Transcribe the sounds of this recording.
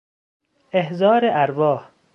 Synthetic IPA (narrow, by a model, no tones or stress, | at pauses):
eɦzɒːɾeʔæɾvɒːh